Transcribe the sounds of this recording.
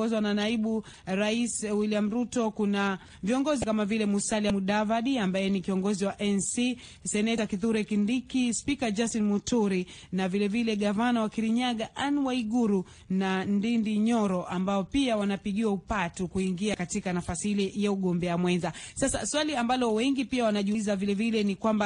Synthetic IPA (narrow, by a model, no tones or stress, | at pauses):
ɔzwananaiɓu | ɾaiswiliam̩ɾutɔkuna | viɔŋɡɔzikamavilɛmusaliamuɗavaɗiambajɛnikiɔŋɡɔziwaʔɛnsi | sɛnɛtakiðuɾɛkindikispikad͡ʒastinmutuɾinavilɛvilɛɠavanawakiɾiɲaɠaʔanwaiɠuɾu | nandindiɲɔɾɔʔambaɔpiawanapiɠiwaupatukuiŋɡiakatikanafasihilɛjauɠɔmbɛamwɛnzasasa̰swaliambalɔwɛŋɡipiawanaʄuzavilɛvilɛnikwamba